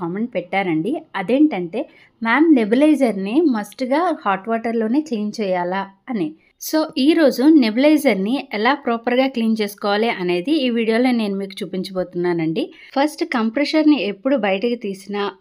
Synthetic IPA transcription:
ɐːme̞ɳʈpɛʈːaːɾɐɳɖiɐd̪e̞ːɳʈɐɳʈe̞ː | maːmnebilɐjd͡ʒɐɾnimɐsʈɡaːhaːʈʋaːʈɐɾlo̞ːne̞ːt͡ʃejɲt͡ʃɛːjaːlaːɐni | so̞ːʔiːɾo̞ːd͡ʒunebilɐjd͡ʒɐɾniɛlaːpɾɔːpɐɾɡaːkliːnt͡ʃe̞ːsu̥kɔːʋaːliʔɐne̞ːd̪iːʋiːɽijoːloːne̞ːnumiːkut͡ʃuːpiɲt͡ʃɐboːt̪unːaːnɐɳɖi | pʰɐsʈkɐmpɾeʃɐɾnie̞pːuɽubɐjɐʈɐkit̪iːsinɐ

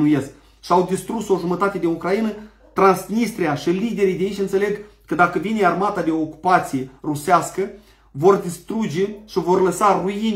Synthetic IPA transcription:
nuje̞sk | ʃiawd̪ist̪ɾuso̞ʒumət̪at̪e̞d̪inukɾajinə | t̪ɾansnist̪ɾiaʃilid̪e̞ɾijd̪ʲeit͡ʃʲɨnt̪sele̞ɡ | kəd̪akəvine̞armat̪ad̪e̞ooku̥pat̪sije̞ruseaskə | vo̞rd̪ist̪ɾud͡ʒe̞ʃivo̞rləsaruin

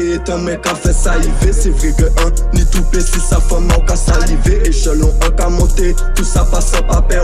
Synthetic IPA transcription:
et̪ɔ̃mɛ̃kafɛsalivesevʁiɡəʔə̃lĩt̪ũpet̪usafãmɔ̃kasaliveʔeʃɛ̃lɔ̃ʔə̃kamɔ̃t̪e | t̪usafasãpapɛ

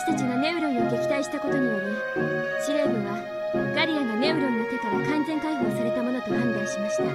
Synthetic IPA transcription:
ɕi̥t̪at͡ɕiɡane̞ɯ̟ɾo̞ɲʲoɡe̞kʲi̥t̪aiɕi̥t̪ako̞t̪o̞ɲ̟ijoɾi | ɕiɾe̞ːɡɯβa | ɡaɾʲianane̞ɯ̟ɾonːoket̪akãnd͡zẽ̞ŋkaiho̞ːsaɾe̞t̪amo̞no̞t̪okãnd̪aĩɕimaɕi̥t̪a

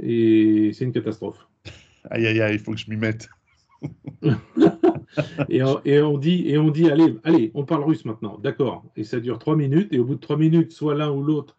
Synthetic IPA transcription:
esɛt̪ynkat̪ast̪χɔf | a̰jajailfokʒəmimɛt̪ | eɔ̃ʔeɔ̃d̪ieɔ̃d̪ialealeɔ̃paʁlʁysmɛ̃t̪̚nɑ̃d̪akɔːʁesad̪yʁt̪χwaminyt̪eobud̪ət̪χwaminyt̪swalɛ̃ulot̪χ

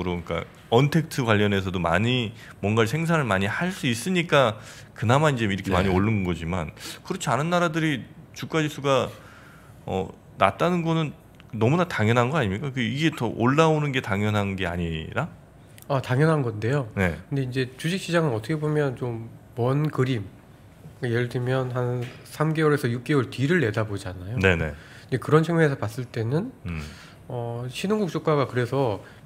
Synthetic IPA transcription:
ɯɾok͈a̰ | ʌntʰe̞k̚tʰɯɡwaʎːʌne̞sʰʌdoma̰ɲimwʌnɡaesʰe̞ŋs̬ʰaŋɯɭmaɲihaɭs͈uis͈ɯɲik͈a | kɯnamanind͡ʑeiɾʌkʰemaɲioɭːɯnɡʌd͡ʑima̰nkɯɾʌt͡ɕʰianɯnːaɾadɯɾit͡ɕuk͈̚ad͡ʑisʰuɡa | ʌ̰ | na̰t̚t͈anɯnɡʌnɯn | nʌmunataŋjʌnɦanɡʌaɲimɲik͈akɯiɡe̞tʌʔoɭːaonɯnɡe̞taŋjʌnɦannɡe̞a̰ɲiɾa | ataŋjʌnɦanɡʌnde̞jone̞kkɯnde̞ind͡ʑe̞t͡ɕud͡ʑik̚ɕ͈id͡ʑaŋɯnʌtʰʌkʰe̞bomjʌnt͡ɕomwʌnkɯɾim | kajeɾɭdɯmjʌnɦansʰamɡe̞wʌɾe̞sʰʌjuk̚k͈e̞wʌɭtɥiɾɯɭːe̞dabod͡ʑanajone̞ne̞̰ | kɯnd͡ʑe̞kɯɾʌnt͡ɕʰeŋmeesʰʌpas͈ɯɭt͈e̞nɯn | ʌɕʰinuŋɡuk̚t͡ɕ͈ok͈aɡakɯɾe̞sʰʌ

